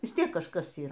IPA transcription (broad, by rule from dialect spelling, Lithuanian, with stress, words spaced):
ʋʲɪs ˈtʲiɛk kɐʃˈkɐs ˈiːr